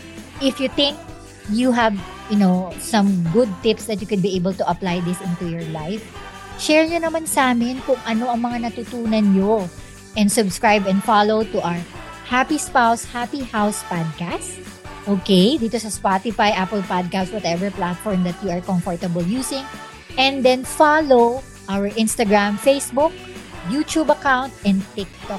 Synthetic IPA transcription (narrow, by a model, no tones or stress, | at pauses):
ʔɪfjut̪ɪ̃ŋk̚ | juɦɐv | jʊnosɐ̃mɡʊd̪̚t̪ɪpsd̪ɐt̪̚jʊkʊd̪̚biʔejbəlt̪ʊʔɐplajd̪ɪsʔɪnt̪ujɔɹlajf | ʃɛɹɲonɐmansʔaːmɪnkʊŋʔɐno̞ʔɐŋmɐŋanɐt̪ut̪uːnɐnɲo | ʔɛ̃nd̪sʊbskɹajbɛ̃nd̪falowt̪uʔaɹ | hapispawshapihawspad̪̚kast | ʔoːkejd̪iːt̪osɐspat̪ɪfajʔapəlpad̪̚kast̪wɐt̪ɛvɛɹplat̪̚fɔɹmd̪ɐt̪̚juɐɹkɔmfɔɹt̪ɐbəljuːsɪ̃ŋ | ʔɛ̃nd̪ɛnfalow | ʔawəɹʔɪ̃nst̪ɐɡɹamfejsbʊk̚jut̪ubɐkawnt̪ʔɛ̃nd̪t̪ɪk̚t̪ɔ